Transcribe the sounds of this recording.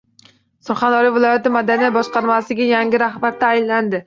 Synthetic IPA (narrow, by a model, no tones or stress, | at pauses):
sʊɾχɑnd̪ɒɾijvɪlˠɒjat̪ɪmad̪anijat̪̚bɒʃqɑɾmasɪɡʲajaŋɡʲɪɾahbaɾt̪ʰaːjlːand̪ɪ